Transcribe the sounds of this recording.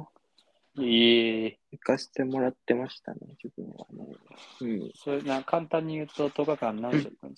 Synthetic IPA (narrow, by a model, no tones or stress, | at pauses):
e | ikase̥t̪e̞mo̞ɾat̪ːe̞maɕi̥t̪a̰nḛd͡ʑibɯ̟̰̃ɰβa̰nḛɯ̟̃ɴsonakʰãnt̪ãɲ̟ːijɯ̟ːt̪o̞t̪oɡakãnːãnd͡ʑa̰t̪ːãnd̪es